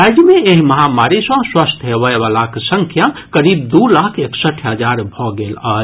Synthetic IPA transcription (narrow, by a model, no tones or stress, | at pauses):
ajd͡ʒmeeɦiməɦamaɾisə̃swast̪ʰɦebəbalaksə̃ŋkʰjakəɾib̚d̪ulakʰeksəʈʰɦəd͡ʒaɾbʱɔɡela